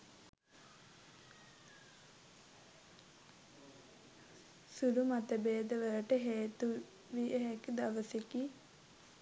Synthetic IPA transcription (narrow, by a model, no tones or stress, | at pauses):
suɾumat̪əbeːd̪əʋəɾəʈəɦeːt̪u | ʋiʔəɦɛkd̪aʋəseki